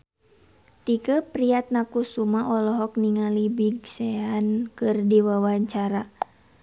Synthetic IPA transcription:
t̪ikəpɾiat̪̚nakusumaʔɔlɔɦɔk̚niŋalibiɡsɛankɨrdiwawaɲt͡ʃaɾa

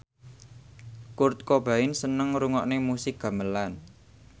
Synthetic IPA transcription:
kurt̪̚kob̥a̤ɪnsənəŋɾuŋɔʔnemusɪk̚ɡ̥a̤məlan

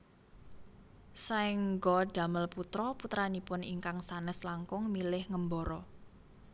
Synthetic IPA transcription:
saɪŋɡɔɖ̥a̤məlput̪ɾɔput̪ɾanipʊniŋkaŋsanɛslaŋkʊŋmilɪhŋəmbɔɾɔ

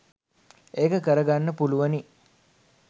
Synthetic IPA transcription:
eːkəkəɾəɡanːəpuluʋəni

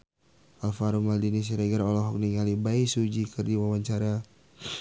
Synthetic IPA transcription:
ʔalfaɾumaldinis̬ɾɛɡəɾɔlɔɦɔk̚niŋalibaisud͡ʒikɨrdiwawaɲt͡ʃaɾa

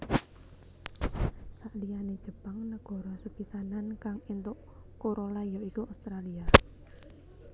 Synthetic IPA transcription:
saʔlijaned̥ʒ̥ə̤paŋnəɡ̥ɔ̤ɾɔsub̥isanankaŋint̪ʊʔ | koɾolajɔikuaust̪ɾalia

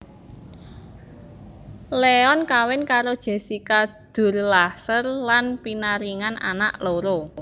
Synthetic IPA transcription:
leɔnkawɪnkaɾod̥ʒ̥e̤sikad̪̥ʊ̤rlasərlanpinaɾiŋanʔa̰naʔloɾo

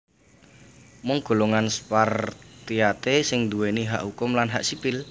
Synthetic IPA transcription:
mʊŋɡ̥o̤loŋanspart̪iat̪esɪŋd̪uweniɦa̰ʔhukʊmlanɦaʔsipɪl

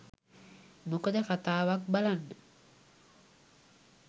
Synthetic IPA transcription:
mukəd̪əkat̪aːʋak̚balanːə

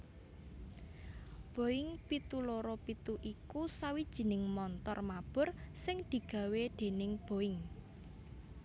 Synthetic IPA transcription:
b̥o̤ɪŋpit̪uloɾopit̪uʔikusawid̥ʒ̥i̤nɪŋmɔnt̪ɔrmab̥ʊ̤rsɪŋd̪̥i̤ɡ̥ä̤wed̪̥e̤nɪŋb̥o̤ɪŋ

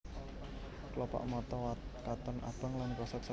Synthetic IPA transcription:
klɔpa̰ʔmɔt̪ɔakat̪ɔnʔa̰b̥aŋlankɔsat̪̚sa

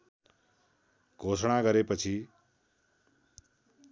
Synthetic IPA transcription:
ɡ̥ʱosɽ̃aɡʌɾepʌt͡sʰi

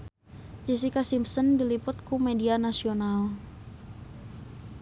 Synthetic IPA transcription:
d͡ʒɛs̬ikasimpsəndilipʊt̪̚kumedianasional

